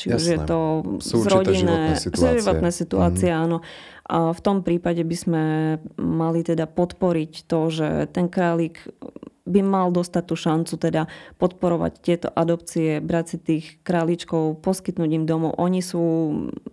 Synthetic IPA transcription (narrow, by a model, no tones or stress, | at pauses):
t͡ʃiuʒjjɛt̪ɔzɾɾɔɟinɛzʒiʋɔt̪nɛːsit̪uaːt͡siɛaːnɔ | ʔaft̪ɔmpɾiːpaɟɛbizmɛ | malit̪ɛd̪apɔt̪pɔɾict̪ɔʒɛ̰t̪ɛnkɾaːliːɡ | bimald̪ɔst̪at̪̚ːuːʃant͡sut̪ɛd̪apɔt̪̚pɔɾɔʋa̰ct̪ɪɛt̪ɔ̰ʔad̪ɔpt͡siɛbɾat͡sit̪iːxkɾaːlit͡ʃkɔʊpɔskit̪nuːɟimd̪ɔmɔʊʔɔɲisuː